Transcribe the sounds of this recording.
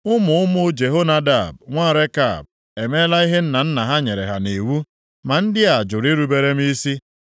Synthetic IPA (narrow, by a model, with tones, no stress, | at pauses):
ʊ˦mʊ˨ʊ˦mʊ˦d͡ʒe˨ɦo˦na˦da˨bŋʷa˦˨ɾe˦ka̰˦˨b̚ | e˨me˦la˦i˦ɦɪ˦n̩˦na˨n̩˦na˨ɦa˦ɲe˨ɾḛ˨ɦa̰˨ne˨wu˦ | ma˨n̩˦dɪ˦a˨d͡ʒʊ˨ɾi˦ɾu˨be˦ɾe˦m˦i˦si˦